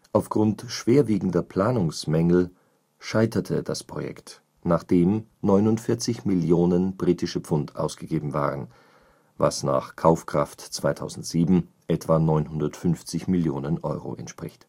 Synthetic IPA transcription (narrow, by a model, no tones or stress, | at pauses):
ʔaʊfɡ̥ʁʊntʃv̥eːɐviːɡŋ̩dɐpʰl̥aːnʊŋsmɛŋl̩ | ʃaɪtɐtʰəd̥aspʁ̥o̰jɛ̰kt | naːχd̥eːmnɔʏnʊntfɪɐt͡sɪçmɪljoːnənbʁiːtɪʃəp͡fʊntʔa̰ʊsɡ̥əɡeːbm̩va̰ːʁən | va̰sna̰ːχkʰaʊfkʁ̥aftt͡sv̥aɪtʰaʊzn̩tz̥iːbm̩ | ʔɛtv̥anɔʏnhʊndɐtfʏnft͡sɪçmɪljoːnənʔɔ̰ʏʁo̰ʔɛ̰ntʃpʁ̥ɪçt